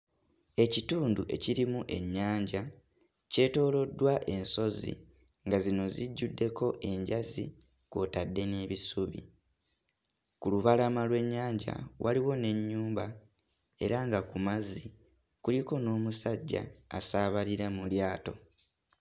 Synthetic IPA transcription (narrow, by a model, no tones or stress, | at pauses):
e̞cituːnduʔe̞̰ciɾimuʔe̞ɲːaːɲɟa | ce̞ːto̞ːlo̞dːwaʔe̞nso̞zḭ | ŋɡazino̞ziɟːudːe̞ko̞ʔe̞ɲɟazi | kotadːe̞neːβisuβḭ | kuluβalamalwe̞ɲːaːɲɟa̰waliwo̞ne̞ɲːuːmba | e̞̰ɾaŋɡakumazi | kuliko̞no̞ːmusaɟːa̰ːsaːβaliɾamuljaːto̞